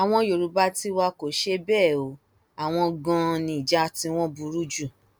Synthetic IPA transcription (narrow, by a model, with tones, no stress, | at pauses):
a˨w̃ɔ̃˧jo˨ɾu˨ba˧˦ti˦wa˧ko˨ʃe˧˦bɛː˦˨o˨˦ | a˨w̃ɔ̃˧ɡɔ̃˧nĩ˧˨d͡ʒa˦tĩ˧w̃ɔ̃˦bu˧ɾu˦d͡ʒu˦˨